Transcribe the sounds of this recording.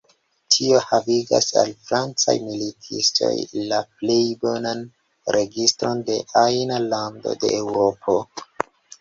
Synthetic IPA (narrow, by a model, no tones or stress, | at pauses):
tʰio̞haviɡa̰sa̰lfɾant͡sa̰jmilitʰḭsto̞̰jlaple̞jbo̞nan | ɾʔe̞ɡistɾo̞nde̞ʔajnalando̞̰de̞̰ʔːwɾo̞pʰo̞